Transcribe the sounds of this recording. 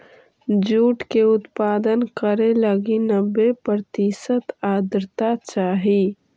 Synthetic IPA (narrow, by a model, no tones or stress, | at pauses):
d͡ʒuːʈkeʊt̪paːd̪ənkəɾeləɡinəbːepəɾt̪isət̪aːd̪ɾt̪at͡ʃaːɦi